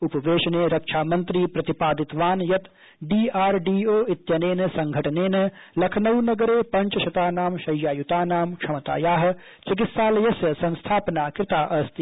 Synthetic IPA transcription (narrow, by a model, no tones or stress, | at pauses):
upɐʋeːʃɐneːɾɐkʃʰaːmɐ̃nt̪ɾiːpɾɐt̪ipaːd̪ɪt̪ʋaːnjɐt̪ | ɖiːaːɾɖiːoːɪt̪jɐneːnɐsɐ̃ŋɡʱɐʈɐneːnɐlɐkʰnɐwnɐɡɐɾeːpɐ̃ɲt͡ʃɐʃɐt̪aːnaːmʃɐjːaːjut̪aːnaːmkʃɐmɐt̪a̰ːjaːɦɐ̆ | t͡ʃɪk̬ɪt̪saːlɐjɐsjɐsɐ̃nst̪ʰaːpənaːkɾɪt̪aːʔɐst̪i